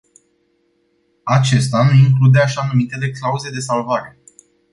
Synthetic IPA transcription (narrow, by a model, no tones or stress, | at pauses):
at͡ʃe̞st̪anuiŋklud̪e̞aʃanumit̪e̞le̞klauze̞d̪e̞salvaɾe̞